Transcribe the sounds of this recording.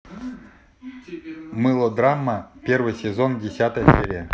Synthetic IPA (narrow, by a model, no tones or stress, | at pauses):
mɨlˠod̪ramːapʲervɨjsʲezondʲesʲat̪əʃʲeɾʲe